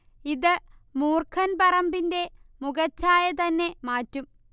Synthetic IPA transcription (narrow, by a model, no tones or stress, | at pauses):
iðɨmuːrkʰɐnpɐrɐmbinde̞muɣɐt͡ɕːaːjɐt̪ɐnːe̞maːtːum